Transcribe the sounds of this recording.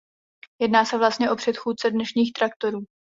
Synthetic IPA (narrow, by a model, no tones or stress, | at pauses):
jɛdnaːsɛvlast̪ɲɛʔo̞pr̝̥ɛt̪xuːt͡sɛdnɛʃɲiːxt̪ɾak̚t̪o̞ɾuː